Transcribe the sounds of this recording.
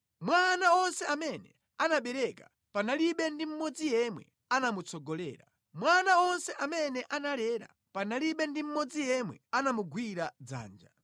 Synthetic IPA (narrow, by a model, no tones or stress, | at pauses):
mwanaɔnsɛamɛnɛ | anaɓɛɾɛka | panaliɓɛndim̩mɔd͡zijɛmwɛ̰ | anamut͡sʰɔɡɔlɛ̰ːɾa̰ | mwanaɔnsɛʔamɛnɛʔanalɛɾa̰ | panaliɓɛndim̩mɔd͡zijɛmwɛ̰anamuɡwiɾad͡za̰ːnd͡ʒa